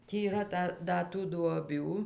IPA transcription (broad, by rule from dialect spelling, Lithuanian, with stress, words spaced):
ˈtʲiː iːˈrɐ ˈtɐ ˈdɐ tuː duɔˈbʲuː